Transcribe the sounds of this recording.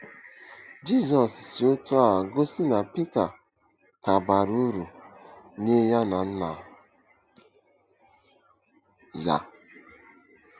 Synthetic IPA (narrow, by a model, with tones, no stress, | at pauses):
d͡ʒi˦zɔ˨ssi˨o˦to˦a˨ɡo˦si˦na˨pi˦ta˨ | ka˨ba˨ɾu˦ɾu˨ | ne˦ja˦na˨n̩˦na̰˨ɦ | ja̰˦